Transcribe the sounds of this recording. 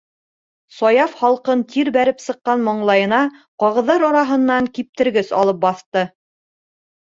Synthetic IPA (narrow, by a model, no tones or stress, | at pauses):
sɑjɑfχɑlˠqɤnt̪iɾbæɾɘpsɤ̆qːɑnmoɴlˠɑjɤ̆nɑqɑʁɤ̆ðɑɾɑɾɑɦɤ̆nːɑŋkip̚t̪ɘ̆ɾɡɘsɑ̰lˠɤp̚bɑθt̪ɤ